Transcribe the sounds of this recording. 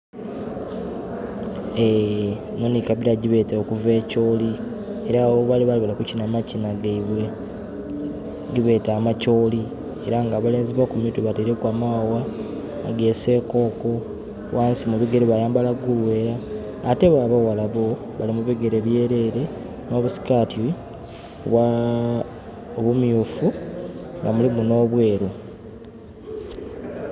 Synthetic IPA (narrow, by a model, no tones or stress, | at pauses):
e | nonikaβiɾaɟiβe̞ːteokuve̞ːco̞ːli | e̞ɾaβoβaliβaliβalakucinamacinaɡaiβwe̞ | ɟiβe̞ːtaːmaco̞ːli | eɾaŋɡaβale̞ːnziβokumituβateɾekwaːmawa | a̰ɡe̞se̞ko̞ːko̞ | wʔaːnsimuβiɡe̞ɾeβajaːmbalaɡulwe̞ːɾaː | te̞βaβawalaβo̞ | βalimuβiɡe̞ɾeβje̞ːɾe̞ɾe̞ | no̞ːβusi̥katʰi | βwa | oβumjuːfuŋɡamulimuno̞ːβwe̞ːɾo